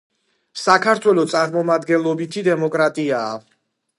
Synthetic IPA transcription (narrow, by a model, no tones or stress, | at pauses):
sakʰaɾt̪ʰwɛlˠɔt̪sʼaɾmɔmad̪ɡɛnlˠɔbit̪ʰid̪ɛmɔkʼɾat̪ʼiaː